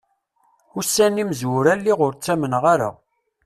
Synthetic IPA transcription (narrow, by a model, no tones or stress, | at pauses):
ʊsːæniməzwʊɾælːiʁʊɾt͡sːæmənʁaɾa̰